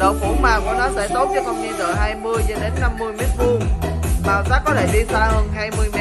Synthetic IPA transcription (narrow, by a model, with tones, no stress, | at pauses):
ɗə˨˩wfṵ˨˧˦maː˨˩ku˧˩ənɔ˨˦zə̰˧˨˩jt̪o˦˥t̚t͡ɕi˦əkɔ˧˩ŋ͡mɲi˧zəː˧˩ɦaː˧jmɨ˧əjɗə˨˧˩ɗe˨˦nːa˧mːɨ˧əjme˦˥t̚mu˧ɓaː˧˩wzaː˦˥k̚kɔ˨˦t̪ʰe˧˩ɗi˧zaː˧həː˧nɦaː˧jmɨ˧əjmɛ˦˥